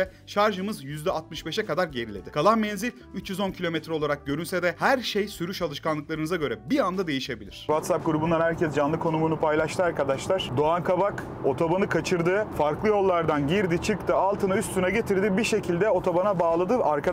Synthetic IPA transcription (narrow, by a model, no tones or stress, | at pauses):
ɛ | ʃaɾʒɯmɯzjyzd̪ɛat̪mɯʃbɛʃɛkad̪aɾɟe̞ɾilʲed̪ɪkʰalˠanmɛnzilʲ | yt͡ʃjyzo̞ncʰilʲo̞met̪ʰɾɛo̞lˠaɾak̚ɟø̞ɾynsɛd̪ɛhæɾʃejsyɾyʃalˠɯʃkanˠɯklˠaɾɯnɯzaɟø̞ɾɛbiand̪ad̪e̞jiʃe̞bilʲḭɾ̥vat̪sap̚ɡuɾubund̪anhæɾcʰɛsd͡ʒanlˠɯkʰo̞numunupʰajlˠaʃt̪ʰɯaɾkad̪aʃlˠaɾ̥d̪o̞ankʰabak | o̞t̪ʰobanɯkʰat͡ʃʰɯɾd̪ɯfaɾklˠɯjo̞lˠːaɾd̪anɟiɾd̪it͡ʃʰɯkt̪ʰɯalˠt̪ʰɯnayst̪ʰynɛɟe̞t̪ʰiɾd̪ibiɾʃe̞cʰilʲd̪ɛo̞t̪ʰobanabaːlˠad̪ɯaɾkʰa